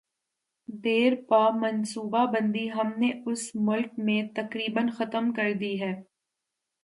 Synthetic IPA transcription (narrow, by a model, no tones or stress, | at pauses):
d̪eːɾpaːmɐnsuːbabə̃nd̪iɦɐmneʊsmʊlkmẽt̪ɐkɾiːbənxɐt̪əmkɐɾd̪iɦɛː